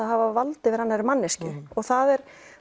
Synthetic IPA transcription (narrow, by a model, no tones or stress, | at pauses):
aðhavavalt̪ɪvɪɾhanːaɛɾmanːɪscʏɔɣθaðɛɾ̥